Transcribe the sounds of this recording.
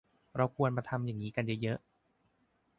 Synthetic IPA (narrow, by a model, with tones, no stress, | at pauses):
ɾa˧wkʰu˧ənmaː˧t̪ʰa˧mjaː˨˩ŋːiː˦˥ka˧njɤ˦˥jɤ˦˥ʔ